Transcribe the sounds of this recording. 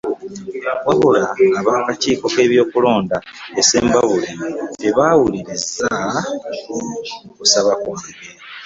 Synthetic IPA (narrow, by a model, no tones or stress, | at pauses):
waβulaːβaːkaciːko̞ke̞ːβjo̞ːkulo̞ːndaese̞̰ːmbaβuliteβaːwuliɾiza | kusaβakwaːŋɡe